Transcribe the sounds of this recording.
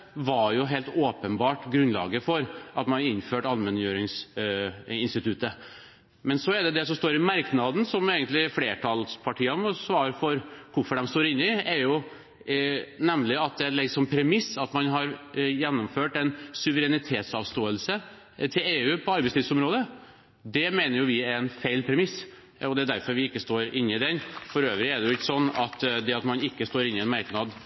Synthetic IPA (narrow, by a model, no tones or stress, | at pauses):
ʋɑjʊɦeːlt̪oːpənbɑːʈɡɾʉnlɑ̰ːɡəfɔɾʔɑt̪mɑnɑɾɪnːføːʈɑlmɛnjøːɾɪŋs | ɪnst̪ɪt̪ʰʉt̪ːə | mɛnsɔɛɖ̪ɛd̪ɛsɔmst̪oːɾɪmɑɾknɑd̪n̩sɔmeːɡənt̪lɪfleːʈʰɑlspʰɑʈʰiːɑmɔsʋɑːɾfɔɾkʰʊɾfɔɖɛmst̪oːɾɪnːɪɛɾjʊ | nɛmlɪɑt̪̚d̪ɛlɛɡsɔmpʰɾɛmɪsːɑt̪mɑnɦɑɾjɛnːʊmføːʈɛnsʉʋəɾɛnɪt̪ʰeːt̪sɑʋst̪oːəlsə | t̪ʰɪleːʉːpʰɔɑɾbɛɪst̪iːd̪sɔmɾoːd̪ə | d̪ɛmeːnəɾjʊʋɪɛnfeɪlpʰɾɛmɪs | ɔd̪ɛæd̪æɾfɔɾʋɪɪkːəst̪oːɾɪnːɪd̪ɛnfɔɾøːʋɾɪɛɖɛjʊɪkːsɔnːɑt̪d̪ɛɑt̪mɑnɪkːəst̪oːɾɪnːɪɛnmɑɾknɑd̪